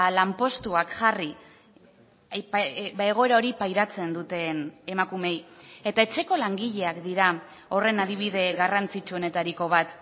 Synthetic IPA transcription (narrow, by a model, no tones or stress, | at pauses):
lampo̞st̪uakʝari | eɣ̞o̞e̞ɾaoɾipajɾat͡se̞nd̪ut̪e̞ne̞makume̞je̞t̪ae̞t͡se̞ko̞laŋɡiʎe̞akd̪iɾa | o̞re̞naðiβ̞ið̞e̞ɣarant͡sit͡ʃuo̞ne̞t̪aɾiko̞βat̪